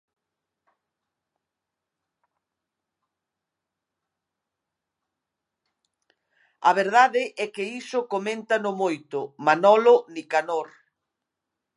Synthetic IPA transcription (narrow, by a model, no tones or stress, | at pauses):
aβ̞eɾð̞aðɪʔɛkɪisʊkomẽnt̪anʊmojt̪ʊmanɔlonikanoɾ